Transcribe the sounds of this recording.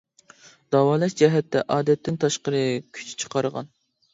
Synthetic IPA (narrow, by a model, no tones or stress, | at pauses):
d̪̥ɑwɑːlˠɛʃd͡ʒɛɦɛt̪ːɛ̰ʔɑːd̪ɛt̪ʰːɪnt̪ʰɑʃqəɾɨkʲʰy̥t͡ʃʰt͡ʃʰə̥qʰɑɾəʁɑ̰n